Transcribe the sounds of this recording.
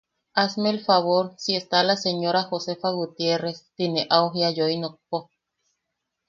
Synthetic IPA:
asmelfaβoɾsiest̪alaseɲoɾaxosefaɣut̪jerest̪ineʔawɦiajoinok̚po

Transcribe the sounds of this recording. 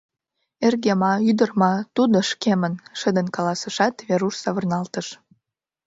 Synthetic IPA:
erɣemɑyd̪ərmɑt̪ud̪oʃkemənʃə̆d̪ənkɑlɑsə̆ʃɑt̪βeɾuʃsɑβərnɑlt̪əʃ

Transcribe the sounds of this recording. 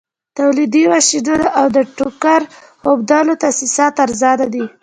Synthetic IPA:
t̪awlid̪iwaʃid̪od̪ʔawd̪əʈukaɾ | hobd̪ɑlot̪asisɑt̪aɾzɑd̪ad̪i

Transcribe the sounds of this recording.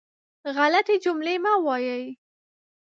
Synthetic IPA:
ɣalat̪ed͡ʒʊmlemawɑjəj

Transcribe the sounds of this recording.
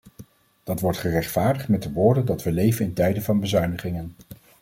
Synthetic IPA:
d̥ɑtʋɔɹtχərɛχtfaːɹdəχtmɛt̚dəʋʊːɹdəndɑtʋəlejvənɪntɛjdənvɑnbəzœɥnəχɪŋən

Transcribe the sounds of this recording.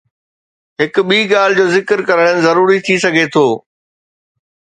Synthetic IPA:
ɦɪkʊ̆ɓiːɡaːl̤ɪd͡ʑoːzɪkəɾkɐɾəɽ̃ənɪ̆zɐɾuːɾit̪ʰisɐɡʱet̪ʰoː

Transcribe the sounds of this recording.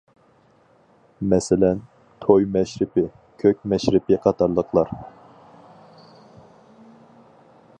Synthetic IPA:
mɛsɪlɛn | t̪ʰojmɛʃɾɪpɪ | kʲʰøkʲmɛʃɾɪpɪqʰɑt̪ʰɑɾlˠəqlˠɑɾ

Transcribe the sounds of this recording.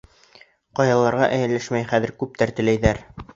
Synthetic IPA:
qɑjɑlˠɑɾʁɑʔæjɘ̆lːæʃmæjχæðɘ̆ɾkʉp̚t̪æɾt̪ɘ̆læjðæɾ

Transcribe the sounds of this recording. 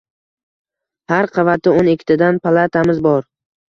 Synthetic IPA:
haɾqʰɑvat̪ʰɪonekʲʰːt̪ʰɪd̪anpʰalˠat̪ʰamɪzbɒɾ

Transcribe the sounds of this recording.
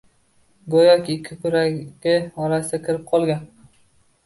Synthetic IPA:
ɡojɒkʲɪkʲʰːɪkʰʊɾaɡʲɪɒɾasɪd̪akʲʰɪɾɪp̚qʰɒlˠɡʲan

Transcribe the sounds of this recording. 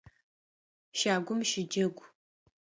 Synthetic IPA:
ʃaːɡʷʊmʃɪd͡ʒɐɡʷ

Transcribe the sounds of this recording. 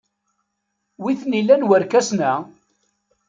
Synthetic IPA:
wiθnilːænwəɾkæsnæ

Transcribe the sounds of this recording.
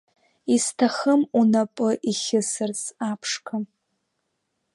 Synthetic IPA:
istʰaχəmunapʼɨʔiχʲɪsɨrt͡sapʰʂkʰam

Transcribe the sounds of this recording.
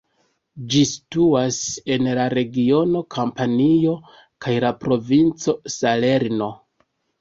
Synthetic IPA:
d͡ʒisi̥tuase̞nlaɾe̞ɡio̞no̞kʰampanio̞ | kajlapɾo̞vint͡so̞sale̞ɾno̞

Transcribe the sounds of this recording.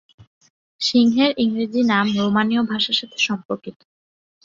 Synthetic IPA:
ʃiŋɦeɾʔiŋɾid͡ʑinamɾomaniobʱaʃaʃat̪ʰe̥ʃɔmpoɾkit̪o̥

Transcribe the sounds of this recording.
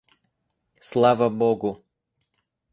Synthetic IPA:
slˠavɐbɔɡʊ

